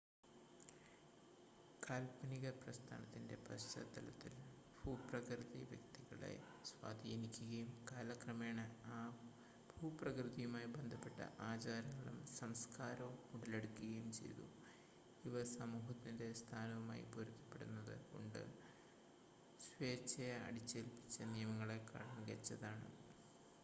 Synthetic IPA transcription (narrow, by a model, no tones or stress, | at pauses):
kaːlpɐniɣɐprɐst̪ʰa̰ːnɐt̪ːinde̞̰pɐɕɐ̰d̪ɐlɐt̪ːil | bʱuːprɐkrɨðiʋjɐ̰k̚t̪iɣɐɭḛ | swa̰ːd̪ʱiːnikʲːuɣɐjumkaːlakrɐmeːɳɐaː | bʱuːprɐkrɨðijumaːjibend̪ʱɐpːe̞ʈːɐ̰ʔaːt͡ɕaːɾɐŋːɐɭumsɐmskaːɾɐʋumuɽɐleɽukːuɣɐjumt͡ɕe̞̰jt̪ṵ | iʋɐsɐmuːɦɐt̪ːinde̞st̪ʰaːnɐʋumaːjḭpoɾukːɐ̥pːe̞ɽunːɐðɨ̰ko̞̰ɳɖɨ̰ | ɕʋeːt͡ɕɐjɐɐ̰ɽit͡ɕːelpi̥t͡ɕːɐnijɐmɐŋːɐɭe̞kɐ̰ɻɐŋɡɐt͡ɕːɐðaːɳɨ̰